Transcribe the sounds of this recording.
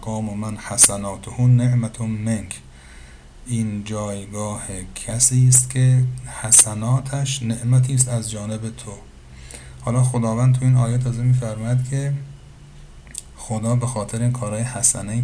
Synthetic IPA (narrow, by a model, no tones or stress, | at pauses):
ɡɒːmomænhæsænɒːt̪ʰohuːneʔmæt̪ʰomeŋkʰ | ʔiːnd͡ʒɒːjɡɒːhekʲʰæsiːst̪kʲʰehæsænɒːt̪ʰæʃneʔmæt̪ʰiːs̬t̪æzd͡ʒɒːne̞bet̪ʰo | hɒːlɒːxod̪ɒːvænd̪̚t̪ʰuiːnɒːjet̪ʰɒːzemiːfæɾmɒːjæd̪kʲʰe̞ | xod̪ɒːbexɒːt̪ʰeɾeiːnkʰɒːɾɒːjehæsæne